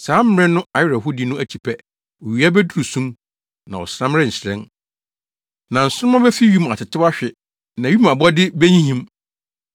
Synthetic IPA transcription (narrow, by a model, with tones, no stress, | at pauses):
saː˨˦m̩˦ɛ̃˦nʊ̃˦a˨jɪ˦ɾɛ˨ɦʊ˦di˨˦nʊ̃˦æ˨t͡ɕʰi̥˨pʰɛ˦ | ɔ˨ɥi˨a˦bæ˦du˦ɾu˨sũ˦m | nã˨wɔ̰˨sɾã˦mɾɛ̃˦n̩˨ɕɾɛ̰̃˦n | nã˨n̩˨sʊ˦ʊ˦mã˦bɛ˦fi˦ɥi˦ma˨tʰɪ˨tɪ˦a˦ɕᶣɪ˨ | nã˨ɥi˦mã˨bɔ˦dɪ˦bæ˦ɲĩ˦ɦĩ˦m